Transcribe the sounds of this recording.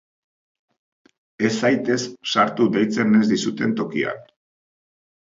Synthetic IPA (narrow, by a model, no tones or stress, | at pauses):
e̞sajt̪e̞sːaɾt̪ud̪ejt͡se̞ne̞zd̪isut̪e̞nt̪o̞kia̰n